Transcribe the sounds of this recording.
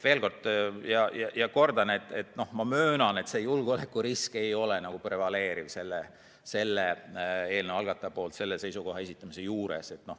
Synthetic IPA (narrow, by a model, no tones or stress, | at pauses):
ve̞ːlko̞rd̪̥jɑjɑjɑko̞rd̪̥ɑnet̪ːˑe̞t̪no̞hmɑmøːnɑne̞t̪se̞ːjulɡ̥ole̞kːˑuɾiske̞jo̞lenɑɡ̥upre̞vɑle̞ːɾivse̞lːe | se̞lːee̞ːlneʋɑlɡ̥ɑt̪ːˑɑpo̞ːlt̪se̞lːe̞se̞jsuko̞ɦɑe̞sit̪ːˑɑmise̞juːɾe̞̰se̞t̪no̞h